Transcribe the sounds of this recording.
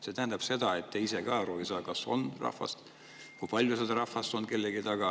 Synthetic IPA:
se̞t̪æɦɛnd̪ɑb̥se̞d̪̥ɑe̞t̪ːeisekɑɾuvisɑːkɑso̞̰nrɑ̰hfɑ̰st̪ | kujpɑlʲjused̪ɑɾɑhvɑst̪o̞nke̞lːeɡit̪ɑɡ̥ɑ

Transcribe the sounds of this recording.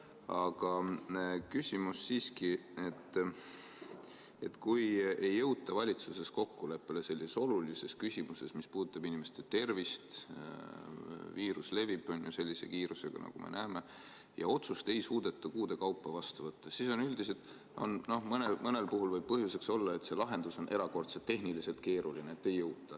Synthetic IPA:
ɑɡ̥ɑ | kysʲimusːiːskie̞t̪ː | e̞t̪kuje̞jːɤ̞wt̪ːˑɑvɑlʲit̪suse̞sko̞kːule̞pːe̞le̞se̞lːiseso̞lulise̞skysʲimuse̞smispuːd̪ut̪ˑːɑb̥inʲimest̪e̞t̪e̞rvist̪ | viːɾusle̞vibˑo̞njuse̞lʲːise̞̰kiːɾuse̞ɡ̥ɑ̰nɑ̰ɡ̥ume̞̰nʔæːme̞ | jɑ̰o̞t̪sust̪e̞jsuːd̪̥e̞t̪ːukuːd̪̥e̞kɑwpːˑɑvɑst̪uvɤt̪ːɑsiso̞nyld̪ise̞t̪ | o̰nno̞hmɤnemɤne̞lpuɦulvɤjb̥̚pɤɦjuse̞kso̞lːɑe̞t̪se̞lɑɦe̞nd̪̥uso̞nʔe̞ɾɑko̞rt̪set̪ːe̞ɦnilise̞lt̪̚ke̞ːɾulineet̪ːe̞jːɤwt̪ːˑɑ

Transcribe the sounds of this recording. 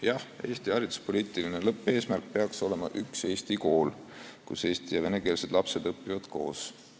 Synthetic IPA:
jɑhe̞ːst̪iɑɾit̪u̥spo̞liːt̪ˑilinelɤpːˑe̞ːsmærk̚pe̞ɑkso̞le̞mɑ̰ʔykse̞ːst̪iko̞ːlkuse̞ːst̪ijɑve̞ne̞ke̞ːlse̞d̪̥lɑpse̞d̪̥ɤpːivɑd̪̥ko̞̰ːs

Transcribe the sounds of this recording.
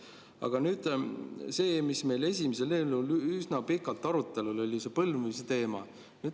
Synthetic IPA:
ɑ̰ɡ̥ɑnyːd̪̥se̞ːmisme̞jle̞sʲimis̬e̞leːlulysnɑpikːˑɑlt̪ːˑɑɾut̪ːˑe̞lulo̞lʲise̞pɤlmuiset̪e̞ːmɑ̰ | nyːd̪

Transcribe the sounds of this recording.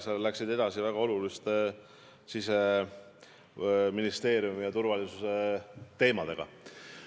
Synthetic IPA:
sellæksid̪e̞d̪̥ɑsivæɡ̥ɑo̞lulist̪ | sise | minist̪e̞ːɾjumijɑt̪uɾvɑlisuse̞t̪e̞ːmɑd̪̥e̞ɡ̥ɑ̰

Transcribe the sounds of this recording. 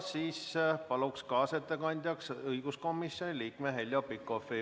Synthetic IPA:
siːspɑlukskɑːset̪ːˑekɑnʲd̪̥ʲjɑksɤjɡ̥usko̞mːisːjo̞nʲiliːkmeɦelʲjopikːofi

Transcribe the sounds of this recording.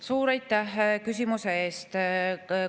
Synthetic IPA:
suːɾɑjt̪ːˑæhkys̬ʲimuse̞eːst̪

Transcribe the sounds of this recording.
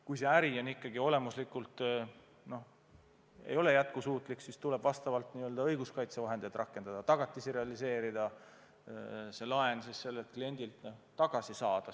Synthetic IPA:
kujse̞æɾio̞nikːˑɑɡio̞le̞muslikːˑult̪ˑ | no̞h | e̞̰jo̞le̞jæt̪̚kusuːt̪ˑliksist̪ule̞b̥vɑst̪ɑvɑlt̪niːøld̪ɑɤjɡ̥uskɑjt̪sevɑɦend̪ejd̪̥rʔɑkːˑe̞nɑd̪̥ɑt̪ɑɡ̥ɑt̪ːˑisiɾe̞ɑlise̞ːɾid̪̥ɑ | se̞lɑe̞nsisːe̞lːet̪̚klie̞nʲd̪̥ilt̪t̪ɑɡ̥ɑsisɑːd̪̥ɑ

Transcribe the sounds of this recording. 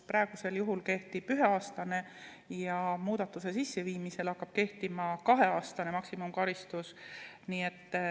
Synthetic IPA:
pɾɑeɡ̥use̞ljuɦulke̞ht̪ib̥yɦe̞ɑːst̪ɑne̞ | jɑmuːd̪̥ɑt̪ːˑuse̞sisːe̞viːmise̞lɑkːɑb̥̚ke̞ht̪imɑkɑɦe̞ɑːst̪ɑne̞mɑksimumkɑɾist̪us | niːe̞t̪ː

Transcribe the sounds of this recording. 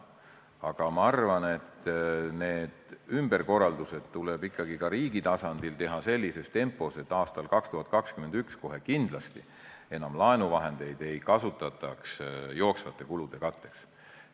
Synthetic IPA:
ɑɡ̥ɑmɑɑrvɑne̞t̪ːne̞ːd̪̥ymb̥e̞rko̞rːɑld̪use̞d̪̥̚t̪uleb̥ikˑːɑɡ̥ikɑɾiːɡit̪ɑsɑnd̪̥ilt̪e̞ɦɑse̞lʲːise̞st̪e̞mpːˑo̞se̞t̪ːˑɑːst̪ɑlkɑkst̪uhɑt̪̚ːˑkɑkskyme̞nd̪yksko̞ɦe̞kind̪̥lɑst̪i | e̞nɑmlɑenuvɑɦe̞nd̪̥e̞jd̪̥e̞jkɑsut̪ːˑɑt̪ːˑɑksjo̞ːksvɑt̪ːˑe̞kulud̪̥e̞kɑt̪ːe̞ks

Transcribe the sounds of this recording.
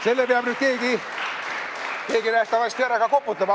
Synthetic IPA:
selːepeɑb̥nyt̪̚keːki | keːkinæst̪æʋɑst̪ʲeæɾɑkɑkopːut̪ːɑmɑ

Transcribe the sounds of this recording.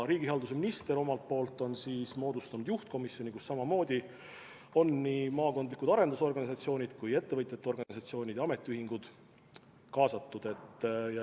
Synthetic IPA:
ɾiːɡ̥ihɑld̪us̬eminist̪e̞ɾo̞mɑlt̪̚po̞ːlt̪ːˑo̞nsiːsmo̞ːd̪ust̪unud̪juht̪̚ko̞misjo̞nikusːɑmɑmo̞ːd̪̥ʲi | o̞nːiːmɑːko̞nd̪likud̪̥ɑɾe̞nd̪uso̞rɡ̥ɑnʲisɑt̪sio̞ːnʲid̪̥kuje̞t̪ːe̞vɤjt̪ːˑet̪ːeo̞rɡ̥ɑnʲisɑt̪sio̞ːnʲid̪jɑɑme̞t̪ːˑiyhɦiŋɡ̥ud̪̥ | kɑːsɑt̪ːud̪̥e̞t̪ːj

